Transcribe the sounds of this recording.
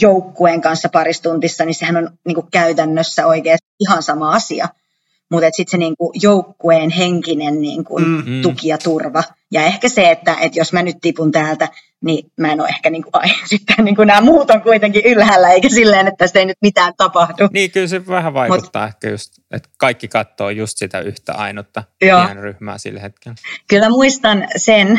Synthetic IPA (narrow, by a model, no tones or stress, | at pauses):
joukːueːŋkɑnsːɑpɑrist̪unt̪isːɑnisehænonniːŋkukkæyt̪ænːøsːæoikeːs | ihɑnsɑmɑɑsiɑ̰ | mut̪et̪sit̪seniːŋkujoukːueːnheŋkinennḭːŋkṵnt̪ukiɑt̪urʋɑ | jɑehkæseet̪ːæʔet̪josmænyt̪t̪ipunt̪æːlt̪æ | nimæeno̰ːʔehkæniːŋkuʔɑinsit̪ːæːnniːŋkunæːmuːt̪oŋkuit̪eŋkiʔylhælːæeikæsilːeːnet̪ːæsi̥t̪einyt̪mit̪æːnt̪ɑpɑhduniːkylseʋæhæʋɑikmutut̪ːɑ̰ːehkæjust̪ | ḛt̪kɑikːikɑt̪ːoːjust̪sit̪æ̰yht̪æ̰ɑ̰inot̪ːɑjoːnryhmæ̰ːsḭlhet̪̚kelkylmæmuist̪ɑnsen